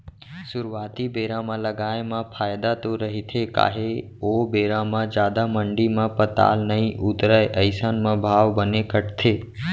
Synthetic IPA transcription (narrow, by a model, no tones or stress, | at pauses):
sʊɾʋaːt̪ibeːɾãmãləɡaːjmãpʰaːjd̪at̪oɾəɦit̪ʰeka̰ːɦe | obeːɾãmãd͡ʒjaːd̪aməɳɖimãpət̪a̰ːlnəɦĩʔʊt̪ɾaeʔəɪsanmãbʱaːʋbənekəʈt̪ʰeː